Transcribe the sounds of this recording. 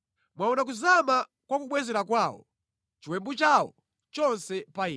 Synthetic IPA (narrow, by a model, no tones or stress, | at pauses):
mwaɔnak̬uzama | kwakuɓwɛzɛɾakwaːwɔ̰ | t͡ʃiwɛmbut͡ʃawɔ | t͡ʃɔnsɛpai